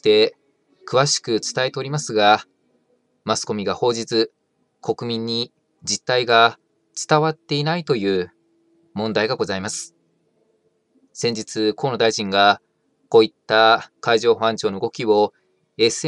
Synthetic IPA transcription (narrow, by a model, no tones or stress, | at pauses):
t̪e̞ | kɯ̟βaɕi̥kɯ̟t͡sɨ̥t̪ae̞t̪e̞oɾʲimasɨɡa | masɨ̥ko̞mʲiɡaho̞ːʑit͡sɨ | kʰo̞kɯ̟mʲĩɲ̟ːi | d͡ʑit̪ːaiɡa | t͡sɨ̥t̪aβat̪ːe̞inait̪o̞jɯ̟ː | mõ̞nd̪aiɡaɡo̞zaimasɨ̥ | sẽ̞ɲ̟d͡ʑit͡sɨkʰo̞ːno̞d̪aiʑĩŋɡa | ko̞ːit̪ːakaiʑo̞ːɸãɲ̟t͡ɕo̞ːno̞ɯɡo̞kʲiβo̞ | e̞s